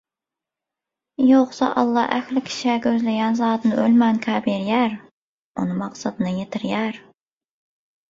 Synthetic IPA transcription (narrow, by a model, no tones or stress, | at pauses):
joqsɑ̰ʔɑ̰lˠːɑʔæxlɪkʲʰi̥ʃɛɡʲøzlɪɡʲɛnzɑːt̪ʰɨnɨʔølmɛnkʲʰæbiɾjæɾ | ṵnɨmɑqsɑd̪ɨnɨjet̪ʰɪɾjæɾ